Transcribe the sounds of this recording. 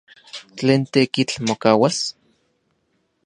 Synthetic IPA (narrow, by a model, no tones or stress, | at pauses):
t͡ɬeːnt̪ekit͡ɬmokaːwas